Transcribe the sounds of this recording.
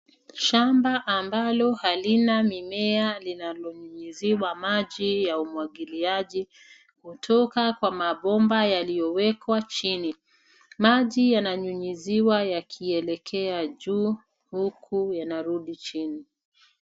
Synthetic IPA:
ʃambaʔːmbalɔhalinamimɛalinalɔɲuɲiziwamaʄijaumwaɠiliaʄi | kutʰɔkakwamaɓɔmbajalijɔwɛkwat͡ʃini | maʄijanaɲuɲiziwajakʰiɛlɛkʰɛaʄuː | hukʰujanaɾuɗit͡ʃini

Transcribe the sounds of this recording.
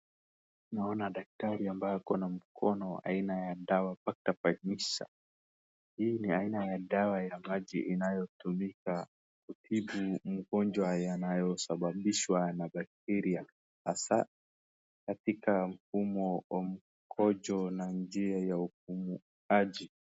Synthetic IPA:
naɔnaɗak̚taɾiambajakɔnam̩kʰɔnɔa̰inajaɗawapak̚tapaɲiʃa̰ | hiːniainajaɗawajamaʄiʔinajɔtumika | kutʰiɓum̩ɡɔnd͡ʒwajanajɔsaɓaɓiʃwanaɓak̚tɛɾia | hasa | katikam̩fumɔam̩ | kʰɔd͡ʒɔnand͡ʒiajauk̚umu | ad͡ʒi

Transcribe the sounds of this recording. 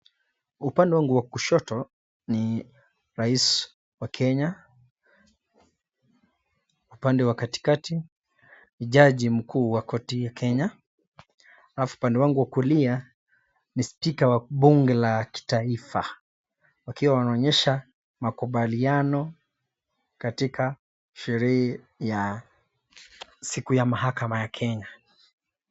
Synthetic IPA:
upandɛwaŋɡuwakuʃɔtɔ | ni | ɾais | wakʰɛɲa | upandɛwakati̥kati | niʄaʄim̩kʰuːwakɔtijakʰɛɲa | alafuːpandɛwaŋɡuwakulia | nispikawaɓuŋɡɛlaki̥taifa | wakiwawanaɔɲɛʃa | makuɓalianɔ | katikʰa | ʃɛɾɛhɛ | ja | sikujamaɦakamajakʰɛɲa

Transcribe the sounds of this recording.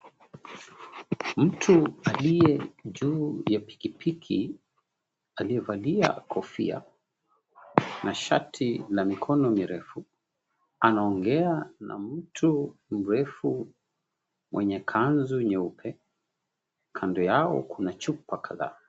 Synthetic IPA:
m̩tʰualijɛʄuːjapi̥kipʰikʰi | aliɛvalia̰kʰɔfḭa̰ | nʔaʃatʰilamikʰɔnɔmiɾɛfu | anaɔŋɡɛana̰m̩tʰum̩ɾɛfu | mwʔɛɲɛkʰanzuɲɛupʰɛ | kʰandɔjaɔ̰kunat͡ʃupakʰaða̰ː

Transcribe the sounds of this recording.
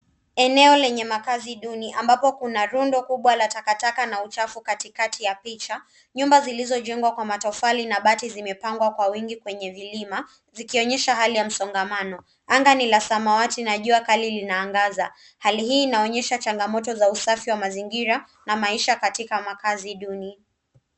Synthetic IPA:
ɛnɛɔlɛɲɛmakaziɗuniʔambapɔkunaɾundɔkuɓwalatakatakanaut͡ʃafukatikatʰijapit͡ʃa | ɲumbazilizɔʄɛŋɡwakwamatɔfalinaɓatizimɛpaŋɡwakwawiŋɡikwɛɲɛvilima | zikiɔɲɛʃaɦalijam̩sɔŋɡamanɔ | aŋɡanilasamawatinaʄuakalilinaːŋɡaza | haliɦiːnaɔɲɛʃat͡ʃaŋɡamɔtɔzausafiwamaziŋɡiɾa | namaiʃakatikamakaziɗuni

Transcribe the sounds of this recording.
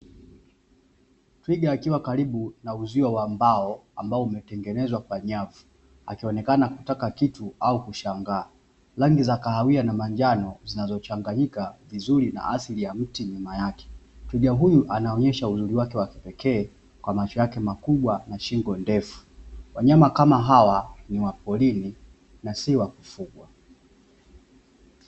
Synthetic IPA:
twiɡaːkiwakaɾiɓunauziwawambaɔambaɔumɛtɛŋɡɛnɛzwakwaɲavu | a̰kiɔnɛkanakutakakituaukuʃaŋɡaː | laŋɡizakahawianamaɲd͡ʒanɔzinazɔt͡ʃaŋɡaɲikavizuɾina̰ʔasilijam̩tiɲumajakɛ̥twɛʄaɦujuʔanaɔɲɛʃauzuɾiwakɛwaki̥pɛkʰɛː | kwamat͡ʃɔjakɛmakuɓwanaʃiŋɡɔndɛfu̥waɲamakamaɦawaniwapɔlini | nasiwakufuɡwa

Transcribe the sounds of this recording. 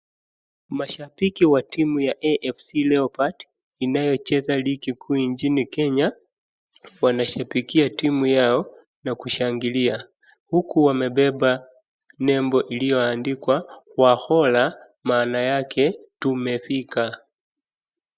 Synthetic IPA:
maʃapikiwatimujaʔɛʔɛfsilɛɔpat | inajɔt͡ʃɛzalikikʰuːɲt͡ʃinikɛɲa | wanaʃapikiatimujaɔ | nakuʃaŋɡilia | hukuwamɛɓɛɓa | nɛmbɔʔilijɔandikwakwahɔla | maːnajakʰɛtumɛfika

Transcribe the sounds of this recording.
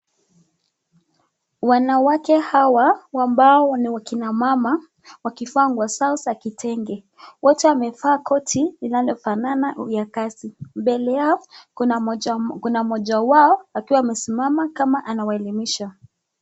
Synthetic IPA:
wanawakɛhawawambaɔɔniwakinamama | wakifaŋɡwasausakitʰɛŋɡɛ | wɔtɛamɛfaːkʰɔtʰilinalɔfananaujakasimbɛlɛjaɔ | kunamɔʄawaɔakiwaːmɛsimamakamaʔanawaɛlimiʃa

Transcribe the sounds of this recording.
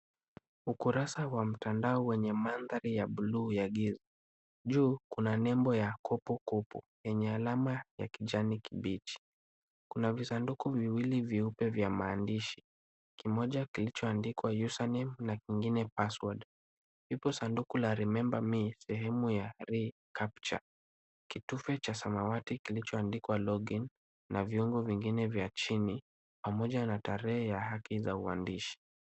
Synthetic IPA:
ukuɾasawam̩tandaɔwɛɲɛmanðaɾijaɓulujaɡiza | ʄuːkunanɛmbɔjakʰɔpukupṵ | jɛɲɛalamaja̰kiʄanikibit͡ʃi̥ | kunavisandukuviwiliviupɛvjamaːndiʃi̥ | kimɔʄakilit͡ʃɔandikwajusanɛmnakiŋɡinɛpaswad | hipɔsandukulaɾimɛmbamisɛɦɛmujaɾikʰapt͡ʃa̰ | kitufɛt͡ʃasamawatikilit͡ʃɔandikwalɔɡinː | ʔaviɔŋɡɔviŋɡinɛvjat͡ʃini | pamɔʄanataɾɛhɛjahakizaua̰ndiʃi̥

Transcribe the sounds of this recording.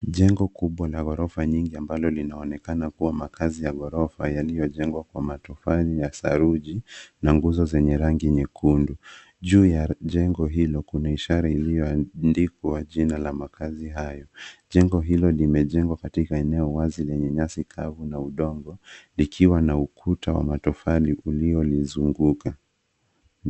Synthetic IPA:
ʄɛŋɡɔkuɓwalaɣɔɾɔfaɲiŋɡiambalɔlinaɔnɛkanakuwamakʰazijaɣɔɾɔfajalijɔʄɛŋɡwakwamatɔfanijasaɾuʄinaŋɡuzɔzɛɲɛɾaŋɡiɲɛkʰundu | ʄuːjaʄɛŋɡɔɦilɔkunaiʃaɾailijɔandikuwaʄinalamakaziɦajɔʄɛŋɡɔɦilɔlimɛʄɛŋɡwakatikaɛnɛɔwazilɛɲɛɲasikʰavunauɗɔŋɡɔlikʰiwanaukʰutawa̰matɔfaliʔuliɔlizuŋɡuka

